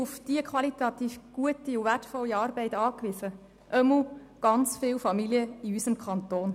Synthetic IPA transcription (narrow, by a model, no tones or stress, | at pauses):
ʊfd̥iəkʰχʋɑlit̪ɑt̪iːfɡ̥uətiuvætfɔlːiɑːɾbɛɪtɑːkʋisə | ʔœmu | ɡ̥ɑnt͡sfɪːwfɑmiliəiysəmkʰχɑnt̪oːn